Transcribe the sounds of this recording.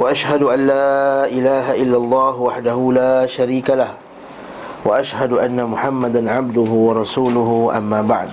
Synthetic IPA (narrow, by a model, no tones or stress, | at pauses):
waʔaʃhad̪ʊʔanlaːʔɪlaːɦaʔɪlːalˤːɑːhwaħd̪ahʊlaːʃaɾiːkalah | waʔaʃhad̪ʊʔanːamʊħamːad̪anʕab̚d̪ʊɦʊwɑɾˤɑsuːlʊɦʊʔa̰mːaːba̰ʕd̪